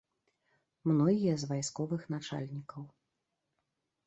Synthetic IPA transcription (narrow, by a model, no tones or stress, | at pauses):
mnɔɣʲijɐzvajskɔvɨxnat͡ʂa̰lʲnʲikɐw